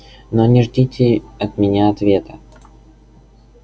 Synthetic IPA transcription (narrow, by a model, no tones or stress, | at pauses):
nonʲɪʐdʲitʲɪɐt̪mʲɪnʲaɐt̪vʲet̪ə